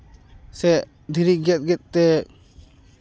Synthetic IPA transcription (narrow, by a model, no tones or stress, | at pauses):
sɛʔ | d̪ʱiɾiɡɛt̪̚ɡɛt̪̚ːɛ